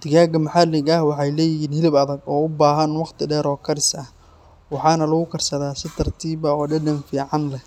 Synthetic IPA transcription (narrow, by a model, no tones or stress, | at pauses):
d̪̥ɪɣaːɡɐmɐħɑlɪɡɐhwɑħɑjlɛːjɪɦiːnhɪlɪbɐðɐɡɔːʊbaːɦɐnwɑqt̪ʰɪɖɛːɾɔːkʰɐɾɪsɐh | wɑħɑːnɐlɐɣʊkʰɐrsɐðaːsɪt̪ʰɐrt̪ʰiːbɐɔːɖɛɖɐnfiːʕɑnlɛ